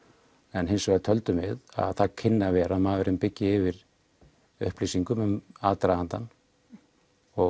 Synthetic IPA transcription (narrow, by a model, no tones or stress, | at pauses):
ɛnɦejnsɔɣat̪ʰœlt̪ʏmɪða̰ðθaðcʰɪnːavɛːɾaðmavɪɾʏmpɪcːɪɪvɪɾ | ʏ̰hplijsiŋkʏmʏmaːt̪ɾaant̪an | ɔ